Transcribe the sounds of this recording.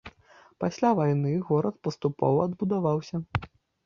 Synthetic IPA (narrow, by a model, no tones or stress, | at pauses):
pasʲlʲavajnɨɣɔɾɐt̪̚pɐst̪upɔ̰vɐɐd̪bud̪avawsʲɐ